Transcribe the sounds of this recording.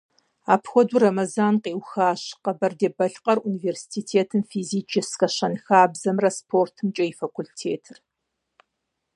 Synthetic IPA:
aːpxʷɔdurɐmɐzaːnqeːwxaːɕqɐbɐrdeːbɐɬqɐruniːveːrsi̥tiːtʰeːtʰɨmfiːziːt͡ʃʰɪskɐɕɐnxaːbzɐmrɐspʰoːrtʰɨmt͡ʃʼɐifɐkʷultʰeːtʰɨr

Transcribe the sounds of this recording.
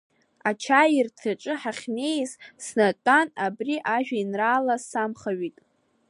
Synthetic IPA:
at͡ʃʰajirtʰaʈ͡ʂʼɨħaχʲne̞jzsnatʼanabriʔaʒᶣainraːlasamχaɥitʼ

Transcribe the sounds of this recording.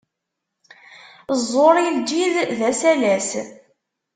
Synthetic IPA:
zˤːoɾˤijld͡ʒiððæsælæs

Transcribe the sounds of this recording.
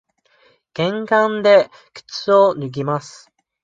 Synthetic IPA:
ɡ̥ẽ̞ŋɡãnd̪e̞ | kɯ̟̥t͡sɨonɯ̟ɡʲimasɨ̥

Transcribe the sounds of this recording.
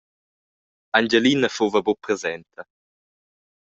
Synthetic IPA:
and͡ʒelinəfovəbopɾezɛnt̪ʰə

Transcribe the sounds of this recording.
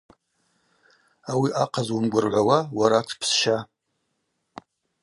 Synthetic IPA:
awiʔaqʰazwʊmɡʷʊrʕʷawawaɾatʷʰpʰsʃa

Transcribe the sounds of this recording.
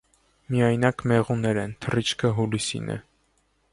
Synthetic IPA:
miɑjnɑkmɛʁunɛɾɛnt̪ʰərit͡ʃʰkʰəɦulisḭnʔɛ̰

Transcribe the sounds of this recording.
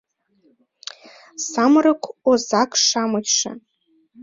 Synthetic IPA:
samrɨkʷʰozakʰʼʂamɨkʲʂa̰

